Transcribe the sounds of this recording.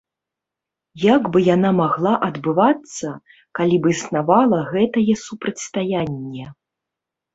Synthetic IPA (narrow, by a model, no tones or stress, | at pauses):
jaɡbɨjanamaɣlˠaʔɐd̪bɨvat̪sːɐ | kalʲibɨsnavalˠɐɣɛt̪ɐjɛsupɾɐt͡sʲst̪ajanʲːɛ